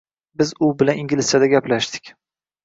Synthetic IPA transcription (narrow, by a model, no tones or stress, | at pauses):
bɪzʊbɪlaniŋɡʲlɪsjad̪aɡʲaplaʃd̪ɪ̥kʲ